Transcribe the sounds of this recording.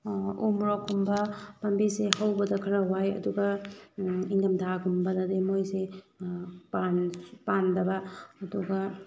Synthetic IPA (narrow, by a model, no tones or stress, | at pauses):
umɾokʰumbɐpɐmbiseɦawbɐdɐkʰɐɾɐwajɐ̰duɡɐ | iŋdɐmtʰakumbɐdɐdemojse | panpandɐbɐːduɡɐ